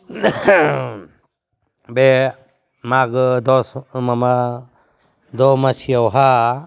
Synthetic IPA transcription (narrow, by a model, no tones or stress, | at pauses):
bɛ | maɡɯd̪ɔsmama | d̪ɔmasijawɦa